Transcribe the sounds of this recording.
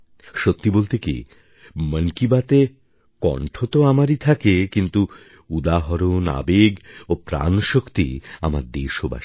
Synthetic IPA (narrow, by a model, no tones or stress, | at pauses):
ʃot̪ːibolt̪ekḭ | məŋkibat̪e | kɔ̰ɳʈʰot̪oamaɾit̪ʰakekint̪u | ud̪aɦɔɾona̰beɡopɾa̰nʃokt̪ḭa̰maɾd̪eʃoba̰ʃ